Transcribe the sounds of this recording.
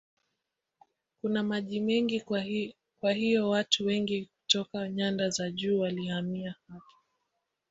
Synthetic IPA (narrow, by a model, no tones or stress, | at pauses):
kunamaʄimɛŋɡi | kwahijɔwatʰuwɛŋɡikutɔkaɲandazaʄuːwalihamiahapḁ